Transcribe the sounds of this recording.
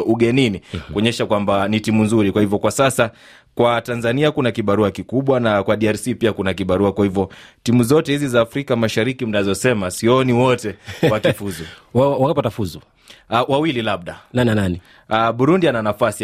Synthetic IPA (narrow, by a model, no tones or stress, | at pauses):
uɠɛninikuɔɲɛʃakwambanitimunzuɾikwahivjɔkwasasa | kwatanzaniakunakiɓaɾuakikuɓwanakwaɗiaɾsipiakunakiɓaɾuakwahivɔtimuzɔtɛhizizaːfɾikamaʃaɾikim̩nazɔsɛmasiɔniwɔtɛwakifuzuwawaŋɡapatafuzu | wawililaɓ̚ɗanananani | aɓuɾundiananafasi